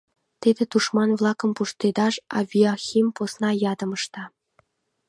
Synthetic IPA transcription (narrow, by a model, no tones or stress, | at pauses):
t̪ed̪ĕt̪uʃmɑnvlˠɑkə̆mpuʃt̪ed̪ɑʃɑ̰vʲioxʲimposnɑjɑd̪ɤ̆mɤ̆ʃt̪ɑ